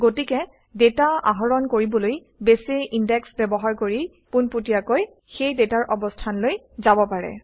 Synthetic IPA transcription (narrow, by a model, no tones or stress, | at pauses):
ɡotikɛ | detaa̰ɦɔɹɔnkoɹibɔloj | besiʔindɛksbɛbɔɦaɹkoɹi | punputiakoj | xejdetaɹʔɔbɔstʰanloj | zabɔpaɹɛ̰